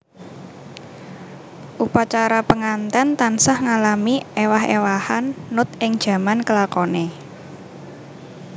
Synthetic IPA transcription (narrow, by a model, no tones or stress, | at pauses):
ʔupat͡ʃaɾapəŋant̪ɛnt̪ansahŋalamiewaɦḛwahanːʊt̪̚ʔɪŋd̥ʒ̥ä̤mankəlakɔne